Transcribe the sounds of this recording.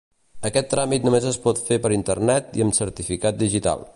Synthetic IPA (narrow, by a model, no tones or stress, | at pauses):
əkɛt̪ːɾamit̪numezəspɔt̪fepəɾint̪ərnɛt̪iəmsəɾt̪ifikat̪̚d̪iʒit̪a̰lˠ